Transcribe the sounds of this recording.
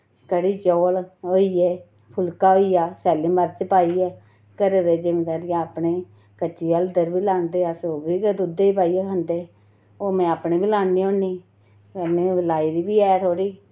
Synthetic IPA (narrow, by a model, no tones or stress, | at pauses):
kəɽiːd͡ʒɔːloːiːeː | pʰʊlkaːɦoːiːjaːsɛːlɪ̃mbəɾt͡ʃpaːiːɛː | kəɾeːd̪eːd͡ʒɪmẽːt̪əɾjaaːpneː | kət͡ʃiːəld̪əɾbiːlaːnd̪eːəsoːbiːkəd̪ʊd̪eːiːpaːiːɛkʰənd̪eː | oːmɛ̃ːaːpɳeːbiːlãːnd̪iːõːniː | kəneːlaːiːd̪iːbiːɛːt̪ʰoːɽiː